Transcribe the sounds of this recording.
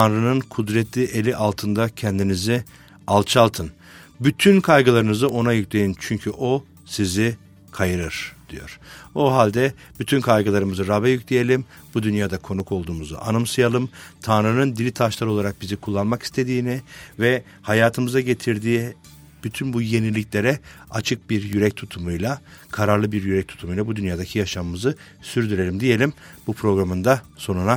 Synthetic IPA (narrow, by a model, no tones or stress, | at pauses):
anɾɯnɯnkʰud̪ɾɛt̪ʰlʲiʔe̞lʲiʔalˠt̪ʰɯnd̪acʰɛnd̪inizi | alˠt͡ʃʰalˠt̪ʰɯn | byt̪ʰynkʰajɡɯlˠaɾɯnɯzɯo̞najyclʲe̞jint͡ʃʰyɲcʰyʔo̞ | sizi | kʰajɯɾɯɾ̥d̪̥ijo̞̰ɾ̥oɦalʲd̪ɛ | b̥yt̪ʰynkʰajɡɯlˠaɾɯmɯzɯɾabɛjycʰʲlʲeje̞lʲim | bud̪ynjaːd̪akʰo̞nukʰo̞lˠd̪uːmuza̰ʔa̰nɯmsɯjalˠɯmt̪ʰanɾɯnɯnd̪ilʲit̪ʰaʃlˠaɾɯo̞lˠaɾak̚bizikʰulˠːanmaki̥st̪ʰe̞d̪iːnɪvɛ | hajaːt̪ʰɯmɯzaɟe̞t̪ʰiɾd̪iː | b̥yt̪ʰynbuje̞nilʲːicʲlʲe̞ɾɛat͡ʃʰɯk̚biɾjyɾɛc̚t̪ʰut̪ʰumujlˠakʰaɾaɾlˠɯbiɾjyɾɛc̚t̪ʰu̥t̪ʰumujlˠabud̪ynjaːd̪acʰijaʃamɯmɯzɯ | syɾd̪yɾe̞lʲimd̪ije̞lʲimbupʰɾo̞ɡɾamɯnd̪aso̞nuna